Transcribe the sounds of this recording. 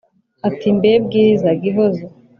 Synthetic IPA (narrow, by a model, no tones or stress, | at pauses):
atimbeb̚ɡiːzaɡiɦozo